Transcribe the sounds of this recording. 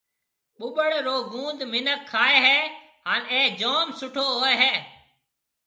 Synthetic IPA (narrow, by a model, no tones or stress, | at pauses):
ɓʊɓəɽɾoːɡũːnd̪mɪnəkʰːaːeːɦeː | ɦaːneːd͡ʒoːmsʊʈʰoːɦoːeːɦeː